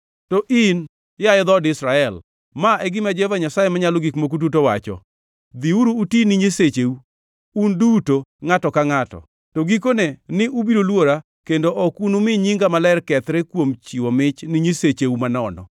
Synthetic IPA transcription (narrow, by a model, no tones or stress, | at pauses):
tɔʔin | jaɛd̪ɔdɪsɾaɛl | maʔɛɡɪmad͡ʒɛvaɲasajemaɲalɔɡikmok̬ut̬utowa̰t͡ʃɔ̰ | d̪iuɾuːtinɪɲeset͡ʃeu | undutoŋatɔkaŋatɔ̰ | toɡik̬onenɪʔubiɾolwoɾa | kendoʔɔkunumɪɲiŋɡamalɛrkɛt̪ɾɛkwomt͡ʃiwɔmɪt͡ʃnɪɲeset͡ʃeumanɔnɔ̰